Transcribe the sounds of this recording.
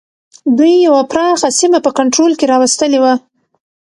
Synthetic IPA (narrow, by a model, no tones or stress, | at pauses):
d̪ujːawapɾɑxasimapəkaɳʈɾolkeɾɑwast̪əlewa